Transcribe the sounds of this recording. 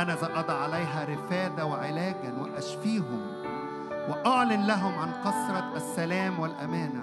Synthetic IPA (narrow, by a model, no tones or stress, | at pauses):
ʔænæzæʔɑd̪ˤɑʕalæjɦæɾɪfæːd̪æwɪʕɪlæːɡæwɪ̰ʔæʃfiːɦʊm | wɪʔoʕlɪnlæɦʊmʕanqɑsɾˤɑʔæsːælæːmwɪlʔæmæːnæ